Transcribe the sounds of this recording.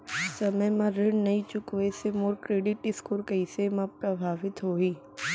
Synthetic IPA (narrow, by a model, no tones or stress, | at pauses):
sɐməjmɐ̃ɾɪɳnɐɦĩt͡ʃʊkʋesemoːɾkɾeːɖɪʈɪskuɾkɐisemɐpɾɐbʱaːʋɪt̪ɦoːiː